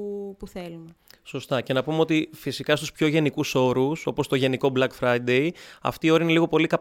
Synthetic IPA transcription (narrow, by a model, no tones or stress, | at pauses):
puθelumeso̞st̪ɐce̞nɐpumeo̞t̪ifisikɐst̪uspço̞ʝe̞nikuso̞ɾuso̞po̞st̪o̞ʝe̞niko̞blɐkfɾɐid̪e̞iɐ̰ft̪iːo̞ɾɐine̞liɣo̞po̞likɐ